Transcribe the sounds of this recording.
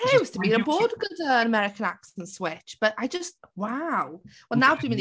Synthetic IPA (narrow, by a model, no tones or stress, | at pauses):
ɪwʌz̥tʰəbiɾəbɔːdəɡʊdəə̃nəmɛɹɪkʰə̃naksə̃n̩swɪt͡ʃb̥ʌtaɪd͡ʒʌst̚waʊwə̃nazdʉmɪ̃ð